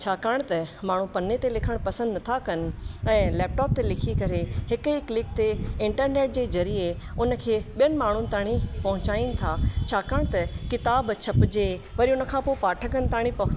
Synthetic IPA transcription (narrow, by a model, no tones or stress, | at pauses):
t͡ɕʰaːkaɽ̃t̪ɐmaːɳ̤ũpɐnːet̪elɪkʰəɽ̃pɐsə̃nd̪nɐt̪ʰakɐnɛ̃ːlɛːp̚ʈɔːp̚t̪elɪkʰikɐɾeɦɪkiklɪkt̪eɪ̃ɳʈəɾneːʈ̚d͡ʑeːzɐɾie | ʊnə̆kʰeːɓijəñmaːɳ̤ʊnɪ̆t̪aːɽ̃ipɐɦʊ̃t͡ɕaːinɪ̆t̪ʰat͡ɕʰaːkəːɽ̃t̪ɐkɪt̪aːbt͡ɕʰɐpd͡ʑe | ʋɐɾiʊnə̆kʰãːpoːpaːʈʰəkənɪ̆t̪aːɽ̃ĩpɐɦʊ̃